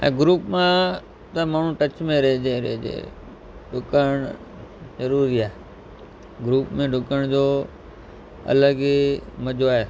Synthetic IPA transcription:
ɛ̰̃ːɡɾuːpmã | t̪ə̃maːɳ̤ũʈət͡ɕmẽɾeɦd͡ʑeɾḛd͡ʑḛː | ɖʊkəɳ̃ | zəɾuːɾiaːe | ɡɾuːpmẽɖʱʊkəɽ̃d͡ʑoː | ɐ̰ləɡiməd͡ʑoaːɦeː

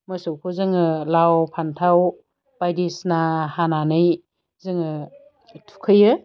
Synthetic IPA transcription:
mɯsɯwkʰuzɯŋɯlawpʰantʰaw | b̥ajdisnahananɯj | zɯŋɯ | tʰu̥kʰɯjɯ

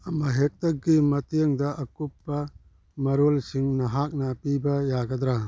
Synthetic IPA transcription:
ɐmɐɦek̚tɐk̚ːimɐtijəŋdɐʔɐkupːɐ | mɐɾolsiŋnɐɦak̚nɐpibɐjaɡɐd̪ɾa

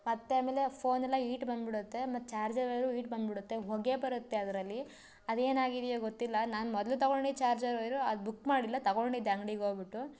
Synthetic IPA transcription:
mɐt̪ːeaːmeːle̞pʰoːnɛlːɐiːʈbɐnd̪biɽut̪ːe̞mɐt̪ːt͡ʃaːɾd͡ʒɐɾɐjɾuiːʈbɐnd̪biɽut̪ːe̞ɦoɡe̞bɐɾut̪ːe̞ɐd̪ɐɾɐlːi | ɐd̪e̞ːnaːɡid̪ijoːɡot̪ːilːɐnaːnmɔd̪ɐlut̪ɐɡoɳɖit͡ʃaːɾd͡ʒɐɾoːjɾuɐd̪bukmaːɽilːɐt̪ɐɡoɳɖid̪ɐŋɡɽiɡoːbiʈːu

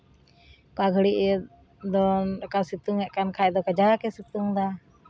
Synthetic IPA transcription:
kaɡʱəɽiʔɛ | d̪ɔɾakasit̪uŋɛʔkankʰaɛd̪ɔkad͡ʒaakɛsit̪uŋd̪a

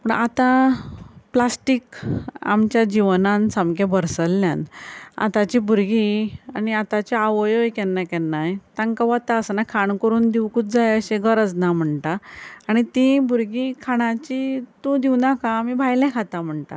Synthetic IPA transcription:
pəɳat̪ã | plasʈika̰mt͡ɕjad͡ʑiʋnãnsamkebəɾsəlːjã̰na̰t̪at͡ɕibʱuɾɡianiat̪at͡ɕeaʋəjojkɛnːakɛnːajt̪ãŋkaʋat̪aəsənakʰaɳkəɾuːnd̪iwkuːt̪̚d͡zajəɕeɡəɾəd͡znam̤əɳʈ̪aːɽ̃it̪ĩbʱuɾɡĩkʰaɽ̃ãt͡ɕit̪ũd̪iwnakaːmibʱajlɛ̃kʰat̪am̤əɳʈ̪a̰

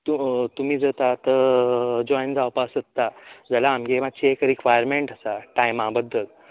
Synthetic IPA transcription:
t̪ut̪um̤iːd͡zət̪at̪ə | d͡ʑɔjnd͡zawpasətt̪ːad͡zəlaːmɡematt͡ɕiekɾikʋajəɾmeɳʈasaʈajmãbəd̪ːəl

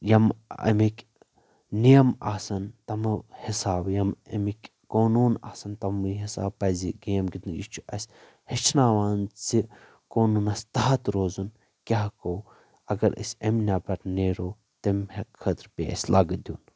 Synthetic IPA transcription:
jɐmɐ̰mikʲ | nijɐmaːsɐnt̪ɐmɨhisaːbjɐmɐmikʲ | koːnuːna̰ːsɐnt̪ɐmiɦisa̰ːbpɐziɡeːmɡid̪ɨjit͡ʃʰuʔɐsʲ | hɐt͡ʃʰnaːʋaːnzi | koːnunɐsʲt̪aɦɐt̪ɾoːzun | kʲaɦkow | ɐɡɐɾɐ̰sʲɐmnʲɐbɐɾneːɾoː | t̪ɐmhekʰɐt̪ɾpeɐ̰sʲlɐɡd̪ʲjuːn

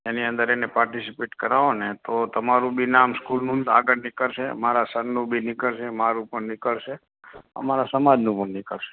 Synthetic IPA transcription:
eniə̃nd̪əɾenepaɾʈisipeʈkəɾaʋonet̪ot̪əmaɾũbʱinamskulnũaɡəɾnɪkəɭʃemaɾasənːũbʱinɪkəɭʃemaɾũpəɳnɪkəɭʃe | ə̰maɾasəmad͡ʒnũpəɳnɪkəɭʃe̥

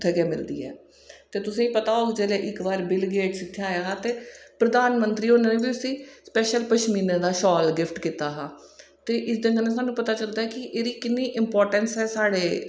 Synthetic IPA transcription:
t̪ʰːɡeːmɪld̪ḭːɛ̰ː | t̪eːt̪ʊsĩːpət̪aːoːɡd͡ʒeːleːʔɪkbaːɾbɪlɡeːʈsɪk̪ʰːjaːjaːɦaːt̪eːpɾəd̪aːnmənt̪ɾiːɦoːnenẽːbiːʊsĩːspɛːʃəlpəʃmiːnãːd̪aːʃɔːlɡɪfʰʈkiːt̪aːɦaː | t̪eːʔɪsd̪ɪnd̪ənẽːsaːnːũːpət̪aːt͡ʃəld̪aːɛːkɪʔeːɾiːkɪnːiːʔɪmpɔːɾʈənsɛːsaːɽeː

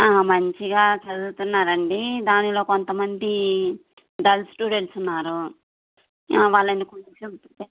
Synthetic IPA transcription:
aːmɐɲt͡ʃiɡaːt͡ʃɐdut̪unːaːɾɐɳɖid̪aːnilo̞ːkont̪ɐmɐnd̪i | ɖ̪ɐlsʈuːɖe̞ɳʈsunːaːɾu | aːʋaːɭːɐnːikunet͡ʃuɡut̪ue

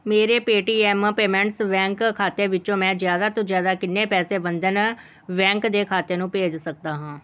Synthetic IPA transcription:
meːɾeːpeːʈiːɛːmpeːmɛ̃ɳʈsʋɛ̃ːŋkkʰaːt̪eːʋɪt͡ʃõːmɛ̃ːzɪjaːd̪aːt̪õːzjaːd̪aːkɪnːeːpɛːseːbənd̪ən | ʋɛ̃ːŋkd̪eːkʰaːt̪eːnũːpeːd͡ʒsək̚d̪aːɦãː

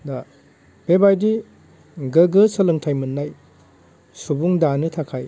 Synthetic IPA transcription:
da | b̥ebajdi | ɡɐɡɯsɐlɯŋtʰajmɐnːaj | subuŋdanɯtʰakʰaj

